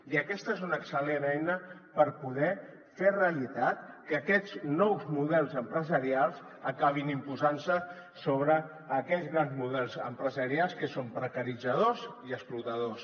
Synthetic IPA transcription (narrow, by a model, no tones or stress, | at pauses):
iəkɛst̪əezunəksəlenɛjnəpəɾpuðɛ | fereəlit̪at̪kəːkɛd͡znɔwzmuðɛlˠzəmpɾəzəɾialˠz | əkaβ̞inimpuzansə | soβɾəː | kɛʎzɣɾanzmuðɛlˠzəmpɾəzəɾialˠskəsompɾəkəɾid͡zəðoziəsplut̪əðos